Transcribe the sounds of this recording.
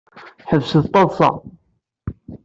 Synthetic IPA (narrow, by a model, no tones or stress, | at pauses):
ħəvsəðt̪ˤːɑðˤsɑ̰